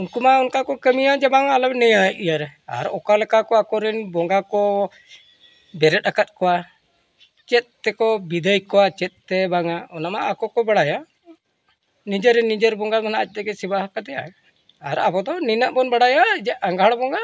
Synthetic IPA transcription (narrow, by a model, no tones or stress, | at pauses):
unkumaɔnkakɔkəmijad͡ʒɛbaŋalɔbnɛjaʔijaɾɛa̰ɾɔkalɛkakɔakɔɾɛnbɔŋɡakɔ | bɛɾɛt̪̚ˀakat̪̚kɔwa | t͡ʃɛt̪̚t̪ɛkɔbid̪əjkɔwat͡ʃɛt̪̚t̪ːɛbaŋaɔnamaʔakɔkɔbaɽaja | nid͡ʒəɾɛnːid͡ʒəɾbɔŋɡamanaʔac̚ˀt̪ɛɡɛsibaɦakad̪ɛja̰ | aɾa̰bɔd̪ɔninaʔbɔnbaɽajad͡ʒɛʔaŋɡʱaɽbɔŋɡa